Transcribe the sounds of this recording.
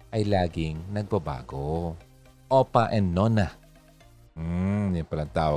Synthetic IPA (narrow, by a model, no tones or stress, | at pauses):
ʔɐjlaːɡɪŋnɐɡ̚bɐba̰ːɡo | ʔopaʔɛnːona | m̩jʊŋpɐlɐŋt̪aːwo